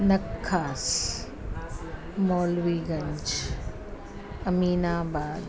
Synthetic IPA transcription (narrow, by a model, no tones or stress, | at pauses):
nɐkʰːaːs | mɔːlwiːɡɐ̃ɲd͡ʒ | ɐmiːnaːbaːd̪